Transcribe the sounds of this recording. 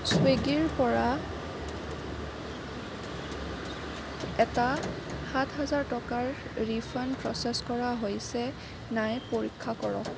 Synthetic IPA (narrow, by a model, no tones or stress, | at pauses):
sweɡiɹpɔɹa | ɛta | hatʰɦazaɹtɔkaɹɹipʰanpɹɔsɛskɔɹaɦojsɛ | najpoɹikʰːakɔɹɔ̰k